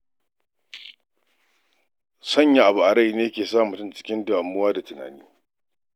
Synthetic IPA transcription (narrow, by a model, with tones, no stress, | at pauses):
sɐ˦˨ɲja˨ʔa˨bu˨ʔa˨ɽa˦˨jneː˦jkʲeː˨saː˦˨mu˨tʊ˦˨nt͡ʃɪ̥˦kʲɪ˦ndʊ˨ʔa˨mːʊ˦waː˦da˨tʊ˨na̰ː˨niː˦